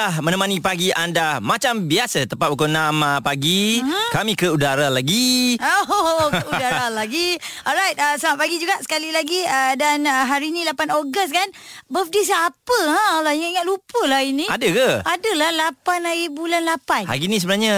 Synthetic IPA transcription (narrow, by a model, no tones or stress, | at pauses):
ahmə̃nəmanipaɡiʔandamat͡ʃambiasət̪əpaʔ̚ukonamapaɡikamĩkəudaɾalaɡiokəudaɾalaɡiɔlɾajt̚əsamaʔ̚paɡid͡ʒuɡaʔsə̥kalilaɡiədanəɦaɾiːnilapanoɡəst̚kanbəfdisapəɦãlaiŋaʔiŋaʔ̚lupəlahinĩadəkəadəlahlapanaibulanlapanha̰ɡinĩsəbənaɲa